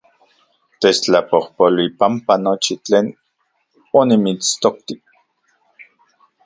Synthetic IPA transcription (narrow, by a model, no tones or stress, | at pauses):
t̪et͡ʃt͡ɬapohpolwipampanot͡ʃit͡ɬeːn | onimit͡st̪ok̚t̪ik̚